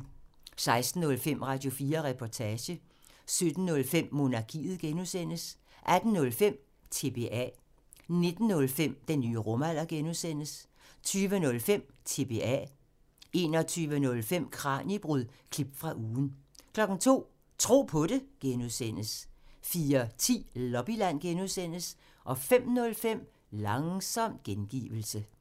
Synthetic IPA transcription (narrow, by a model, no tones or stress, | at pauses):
sɑ̈ɪsd̥n̩ːɔ̽lfem̰ʁɑ̈d̥jo̝fiːɐʁɛpʰɒt͡sʰɛːɕə | sød̥n̩ːɔ̽lfem̰ːo̝nɑ̈kʰḭːð̞̩ˠɡ̥enusen̰əs | ʔæd̥n̩nɔ̽lfem̰ | t͡sʰe̝b̥e̝ʔæ̰ | ne̝d̥n̩ːɔ̽lfem̰d̥enːyːəʁɔmæl̰ɐɡ̥enuðˠsen̰əs | t͡sʰyːʋənɔ̽lfem̰t͡sʰe̝b̥e̝æ̰ | e̝ːnɒt͡sʰyːʋənɔ̽lfem̰kʰʁɑ̰̈nib̥ʁuð̰ˠkʰlib̥fʁɑ̈ʔuːn̩kʰlɒ̽ɡ̥n̩t͡sʰo̝̰ː | t͡sʰʁo̝̰ːpʰɔ̽ɾe̝ɡ̥enuðˠsen̰əsfiːɐt͡sʰḭːlɒb̥ilæn̰ɡ̥enuðˠsen̰əs | ʔɒ̽fem̰nɔ̽lfem̰ | lɑ̈ŋsɒ̽m̰d̥̚ɡ̥enɡ̥ḭːʋl̩sə